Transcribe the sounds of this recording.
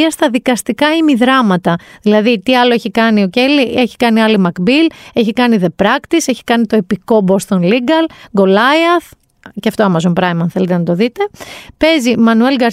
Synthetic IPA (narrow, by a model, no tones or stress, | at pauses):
ɐst̪ɐðikɐst̪ikɐimiðɾɐmɐt̪ɐðilɐðit̪iɐloeçikɐnioce̞lieçi̥kɐniɐlimɐkbile̞çikɐniðe̞pɾɐkt̪iseçi̥kɐnit̪o̞epiko̞bo̞st̪onliɡɐlɡo̞lɐjɐθ | ceɐft̪oɐmɐzo̞npɾɐjmɐnθe̞let̪enɐt̪o̞ðit̪e̞pe̞zimɐnue̞lɡɐɾ